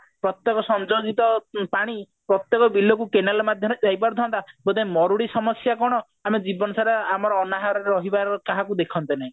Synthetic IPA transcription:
pɾɔt̪jɔkɔsɔnd͡ʒoɡit̪ɔpaɽ̃i | pɾɔt̪jɔkɔbilɔkukenalɔmad̪ʱjɔɾed͡ʒajpaɾd̪ʱɔnt̪abod̪emɔɾuɽisɔmɔsjakɔɽ̃ɔ | amed͡ʒibɔnɔsaɾeamɔɾɔːnaɦaɾɔɾeɾɔɦibaɾkaɦakud̪ekʰɔnt̪inaĩ

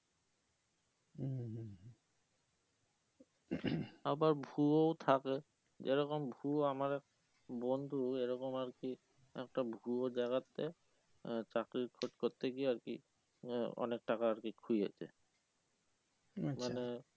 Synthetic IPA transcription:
abaɹbʱuowt̪ʰake | d͡ʒeɾɔkɔmbʱuamaɾɛk̚ | bɔnd̪ʱueɾɔkɔmaɹki | ɛ̰k̚ʈabʱuod͡ʒaɡat̪ːḛ | t͡ɕakɾikʰotkɔt̪ekiaɹkḭ | ɔ̰nek̚ʈakaːɾkikʰuja̰t͡ɕʰḛ | mane

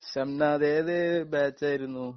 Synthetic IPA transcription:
ɕɐmnaːðeːðebaːt͡ɕːaːjiɾunːu

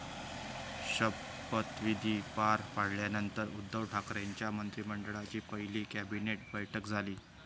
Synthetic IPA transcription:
ɕəb | ət̪ʋid̪ʱiːpaɾpaɽ̤ljanənt̪əɾud̪ːəʋʈʰakɾaɲt͡ɕjamənt̪ɾiːməɳɖəɭat͡ɕiːpəɦiliːkæbineʈ̚bəjʈʰəkd͡zʱaliː

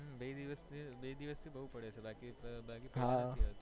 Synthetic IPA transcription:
bed̪iʋəst̪ʰibed̪iʋəst̪ʰibəɦupəɽet͡ʃʰebakibakipɦãiət̪

